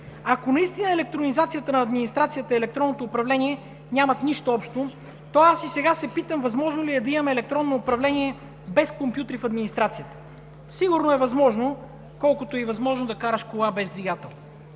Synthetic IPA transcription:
ɐkonɐist̪inəɛlɛk̚t̪ɾonizat̪sijət̪ənɐːd̪minist̪ɾat̪sijət̪əɛlɛkt̪ɾɔnːot̪oːpɾɐvlɛniɛ | nʲamɐt̪niʃt̪oɔpʃt̪o | t̪ɔasisɛɡasɛpit̪əmvɐzmɔʒnoliɛd̪ɐimɐmɛːlɛk̚t̪ɾɔnːoːpɾɐvlɛniɛ | bɛskompʲjut̪ɾifɐd̪minist̪ɾat̪sijət̪ə̥ | siɡʊɾnoɛvɐzmɔʒno | kɔlˠkʊt̪oivɐzmɔʒnod̪ɐkaɾəʃkolˠabɛzd̪viɡat̪ɛlˠn

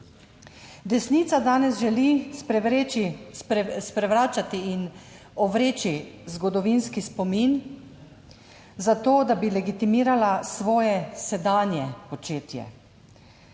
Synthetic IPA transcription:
d̪ɛsniːt̪sad̪aːnɛzʒɛlispɾɛʋɾeːt͡ʃi | spɾɛʋɾaːt͡ʃat̪iːn | ɔʋɾeːt͡ʃizɡɔd̪ɔʋinskispɔmin | zat̪oːd̪abilɛɡit̪imiːɾalasʋɔːjɛsɛd̪aːnjɛpɔt͡ʃeːt̪jɛ̰

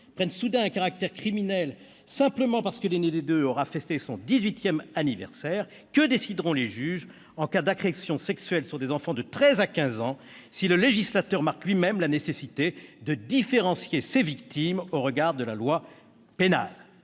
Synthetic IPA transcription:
pχɛnsud̪ɛ̃ɛ̃kaʁak̚t̪ɛʁkχiminɛl | sɛ̃pləmɑ̃paʁsə̥kəlened̪ed̪øɔʁafɛst̪esɔ̃d̪izɥit̪jɛmanivɛ̰ʁsɛʁ | kəd̪esid̪ʁɔ̃leʒyʒ | ɑ̃kad̪akχesjɔ̃sɛksɥɛlsyʁd̪ezɑ̃fɑ̃d̪ət̪χɛzakʲɛ̃zɑ̃ | siləleʒislat̪œʁmaʁklɥimɛmlanesesit̪ed̪əd̪ifeʁɑ̃sjesevikt̪imoʁəɡaʁd̪əlalwa | pena̰l

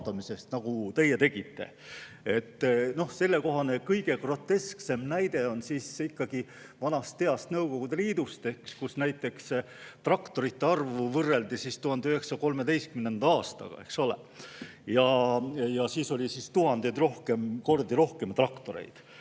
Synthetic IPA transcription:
t̪ɑmise̞st̪nɑɡ̥ut̪e̞jːet̪e̞ɡ̥it̪ːe̞̰ | e̞t̪ːno̞hse̞lːe̞ko̞ɦɑnekɤjɡ̥e̞kro̞t̪ːe̞skse̞mnæjd̪̥e̞o̞nsiːsikːɑɡ̥i | vɑnɑst̪ːe̞ɑst̪nɤwko̞ɡ̥ud̪e̞liːd̪ust̪e̞hkskusnæjt̪ːˑe̞ks | t̪rɑkt̪o̞ɾit̪ːeɑrvuvɤrːe̞ld̪isist̪uhɑnd̪eyɦe̞ksɑko̞lmed̪e̞jst̪kymnend̪ɑɑːst̪ɑ̰ɡ̥ɑ̰e̞̰kso̞lḛjɑjɑsiːso̞lʲisist̪uɦɑnd̪ed̪ro̞hkemko̞rd̪iɾo̞hke̞mt̪rɑkt̪o̞ɾe̞̰jd̪̥

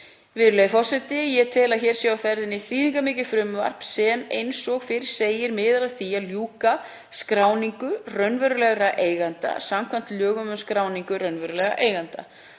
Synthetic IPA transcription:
vɪðɾʏlɛjðɪfɔr̥sɛt̪ɪjɛt̪ʰɪlaðçɛːɾ̥sjawafɛɾðɪnːɪθiːðiŋkamɪːcɪfɾʏmva̰r̥psɛmejnsɔɣfɪɾɪ̥seːjɪɾmɪðɾaðθiaðljuːka | skɾaːwniŋkʏrœnvœɾʏlɛɣɾaʔeːjɣant̪a̰samkʰvan̥t̪ljœːɣʏmœnskɾaːwniŋkʏɾœnvœɾʏlɛɣa̰ʔeːjɣant̪a̰

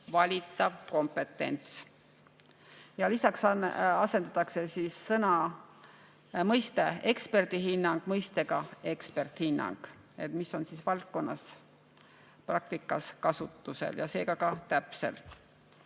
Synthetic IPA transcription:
vɑlʲit̪ːˑɑvko̞mpe̞t̪ːˑe̞̰nt̪s | jɑlisɑksɑse̞nd̪̥ɑt̪ːˑɑkse̞siːsːɤnɑ | mɤjst̪e̞e̞kspe̞rd̪̥iɦinːɑŋɡ̥mɤjst̪e̞ɡ̥ɑe̞kspe̞rt̪hinːɑ̰ŋɡ̥ | e̞t̪miso̞nsisvɑlt̪̚ko̞nːɑs | prɑk̚t̪ikːˑɑskɑsut̪ːˑuse̞̰ljɑ̰se̞ːɡ̥ɑkɑt̪æpse̞̰l

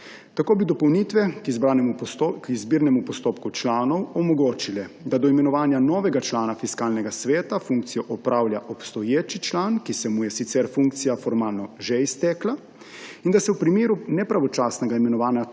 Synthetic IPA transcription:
t̪akoːbid̪ɔpɔwnit̪ʋɛkizbɾanɛkizbiːɾnɛmupɔst̪oːpkut͡ʃlaːnɔwɔmɔɡoːt͡ʃilɛd̪ad̪ɔimɛnɔʋaːnjanɔːʋɛɡat͡ʃlaːnafiskaːlnɛɡasʋɛːt̪afuŋk̚t̪sijɔʔɔpɾʔaːwljaʔɔpst̪ɔjeːt͡ʃit͡ʃlaːnkisɛmujɛsit̪sɛɾfuŋkt̪sijafɔɾmaːlnɔʒɛist̪ɛkla | ind̪asɛwpɾimeːɾunɛpɾaʋɔt͡ʃaːsnɛɡaimɛnɔʋaːnja

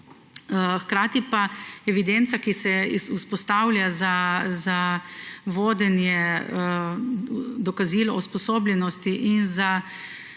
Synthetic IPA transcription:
xkɾaːt̪ipaɛʋid̪ent̪sakisɛisuspɔst̪aːwlʲjazaza | ʋoːd̪ɛnjɛ | d̪ɔkaziːlɔuspɔsoːblʲjɛnɔst̪iʔinza

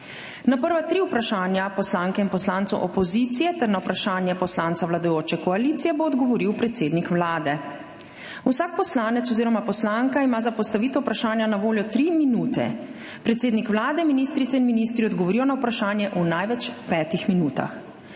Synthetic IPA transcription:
napəɾʋat̪ɾiupɾaʃaːnjapɔslaːŋkɛinpɔslaːnt̪sṵʔɔpɔziːt̪sijɛt̪ɛɾnawpɾaʃaːnjɛpɔslaːnt̪saʋwlad̪ajoːt͡ʃɛkɔaliːt̪sijɛboːd̪ɡɔʋɔɾiwpɾɛt̪seːd̪nikʋlaːd̪ɛ | usaːk̚pɔslaːnɛt̪sɔziːɾɔmapɔslaŋkaimaːzapɔst̪aʋiːt̪ɔwpɾaʃaːnjanaʋoːljɔt̪ɾiminuːt̪ɛ̰ | pɾɛt̪seːd̪nikʋlaːd̪ɛminist̪ɾit̪sɛinminist̪ɾiɔd̪ɡɔʋɔɾijɔnawpɾaʃaːnjɛʔunajʋɛt͡ʃpɛːt̪ixminuːt̪a̰x

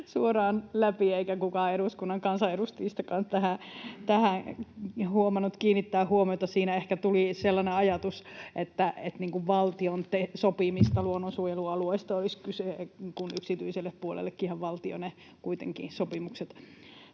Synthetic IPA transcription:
suorɑːnlæpieikækukɑeɾuskunːɑŋkɑnsɑeɾust̪iːst̪ɑkɑnst̪æhæt̪æhæŋhuomɑnːut̪kiːnːit̪ːæːhhuomiot̪ɑsiːnæehkæt̪uliselːɑneɑjɑt̪usʔet̪ːæet̪niːŋkuʋʋɑlt̪iont̪esopimist̪ɑluonːonsuojeluɑluoist̪ɑoliskysekunyksit̪yiselːeppuolḛlːekːihɑʋʋɑlt̪io̰ne | kuit̪ḛŋkḭːsopimukset̪

